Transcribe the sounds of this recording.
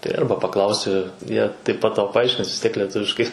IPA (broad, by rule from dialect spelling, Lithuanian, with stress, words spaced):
tɐɪ ˈɐrbɐ pɐˈklˠɐʊsʲɪ ˈjiɛ tɐɪp pɐt ˈtɐʊ pɐˈɐɪʃʲkʲɪns ʋʲɪs ˈtʲiɛk lʲɛˈtʊʋʲɪʃkɐɪ